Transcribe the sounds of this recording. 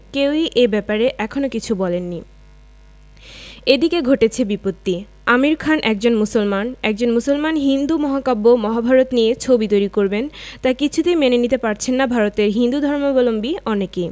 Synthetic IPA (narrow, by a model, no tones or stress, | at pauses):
kewiʔebɛpaɾeʔɛkʰonokit͡ɕʰubɔlenːi | ed̪ikeɡʱoʈet͡ɕʰebipot̪ːi | amiɾkʰanʔɛk̚d͡ʑonmusolmanɛk̚d͡ʑonmusolmanɦind̪umɔɦakabːomɔɦabʱaɾot̪niet͡ɕʰobit̪ojɾikoɾbent̪akit͡ɕʰut̪emenenit̪epaɾt͡ɕʰenːabʱaɾot̪eɾɦind̪ud̪ʱɔɾmobɔlombiɔneki